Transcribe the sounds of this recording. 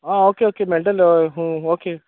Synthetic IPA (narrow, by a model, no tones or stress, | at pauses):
aːoːkeoːkemelʈəloeɦũːoːkeː